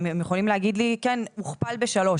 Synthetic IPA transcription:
emjeχo̞limleaɡid̪likɛnmuχpalbeʃalo̞

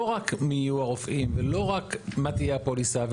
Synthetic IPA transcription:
oʁakmijuaʁofʔimvelo̞ʁakmat̪ijapolisav

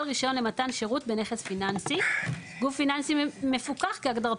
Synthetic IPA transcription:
lʁiʃo̞nle̞matanʃe̞ʁutbe̞ne̞χesfinansiɡufːinansime̞fukaχkeaɡdaʁ

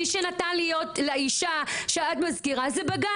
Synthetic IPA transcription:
iʃenatanlijo̞tleiʃaʃeadmazkiʁazebaɡa

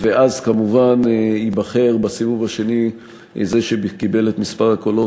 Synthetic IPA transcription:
veʔazkamuvanibaχe̞ʁbasivuvaʃe̞ni | zeʃebkibe̞let̪mispaʁako̞lo

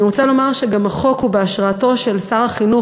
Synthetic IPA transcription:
iʁot͡salo̞maʁʃeɡamaχo̞khubeaʃʁaato̞ʃe̞lsaʁaχinu

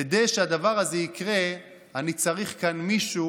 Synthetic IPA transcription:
ed̪ejʃead̪avaʁazeikʁe | anit͡saʁiχkanmiʃu

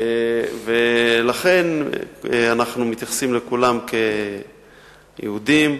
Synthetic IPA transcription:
evelaχe̞n | anaχnumit̪jaχsimlekulamke̞ | jʔḛhud̪im

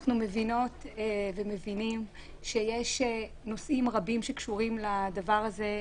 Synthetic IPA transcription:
χnume̞vino̞tveme̞vinim | ʃe̞jeʃe | no̞sʔimʁabimʃekʃuʁimladavaʁaze̞

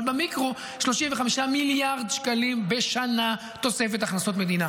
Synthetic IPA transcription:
bamikʁo | ʃlo̞ʃimveχamiʃamiljaʁd̪ʃkalimbe̞ʃana | t̪o̞se̞fe̞t̪aχnaso̞t̪me̞d̪ina

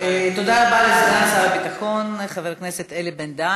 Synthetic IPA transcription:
et̪o̞d̪alabalezezeasabebit̪aχo̞nχaveʁkneset̪elebend̪a

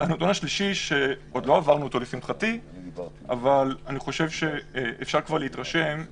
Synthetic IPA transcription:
anot̪unaʃliʃiʃe̞ʔo̞d̪lo̞avaʁnut̪olifimχat̪i | a̰valaniχo̞ʃe̞vʃe̞efʃaʁkvaʁleit̪ʁaʃe̞m

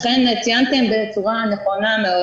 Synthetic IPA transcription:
χenat͡sijant̪embet͡suʁaaneχo̞nameo

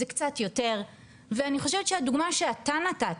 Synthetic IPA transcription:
ekt͡satjo̞te̞ʁ | veaniχo̞ʃevet̪ʃeaduɡmaʃeatanata

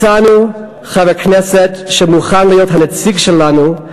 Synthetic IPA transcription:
anu | χavɛknɛsetʃɛmuχanlijotɦanet͡siɡʃelanu

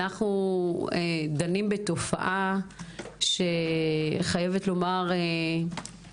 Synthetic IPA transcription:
aχnued̪animbeto̞fa̰ʔa | ʃe̞ | χaje̞vet̪lo̞maʁe

